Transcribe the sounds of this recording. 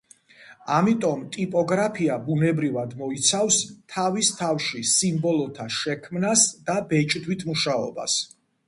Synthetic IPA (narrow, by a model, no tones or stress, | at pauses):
amit̪ʼɔmt̪ʼipʼɔɡɾapʰiabunɛbɾivad̪mɔit̪sʰavst̪ʰavist̪ʰafʃisimbɔlˠɔt̪ʰaʃɛkʰmnasd̪abɛt͡ʃʼd̪wit̪ʰmuʃaɔ̰ba̰s